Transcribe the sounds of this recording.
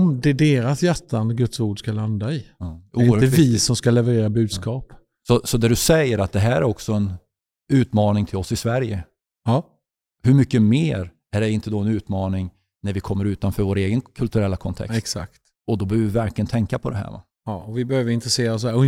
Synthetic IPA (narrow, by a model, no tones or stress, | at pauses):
md̪ɛɖeːɾasjæʈːand̪əɡɵt̪suːɖʂkaland̪aɪuːvɪsɔmskalɛvɛɾeːɾabʉ̟ːd̪skɑːp | sɔsɔd̪æɖɵsɛjːəɾat̪̚d̪ɛɦæːɾæɾɔksɔɛn | ʉ̟ːt̪mɑːnɪŋt̪ʰɪlɔsːɪsvæɾjə | hɵɾmʏkːəmeːɾ | æɖɛɾɪnt̪əd̪ɔɛnʉ̟ːt̪mɑːnɪŋ | næɾvɪkʰɔmːəɾʉ̟ːt̪anfœːɾvoːɾeːɡənkʰɵlt̪ɵɾɛlːakʰɔnt̪ʰɛ̰ksksa̰kt̪ | ɔd̪ɔbœːvvɪvæɾkʰlɪɡənt̪ʰɛŋkapʰɔd̪ɛɦæ̰ːɾva̰ | ɑːɔvɪbɛhøːvəɾɪnt̪ɾɛseːɾas̬ɔæ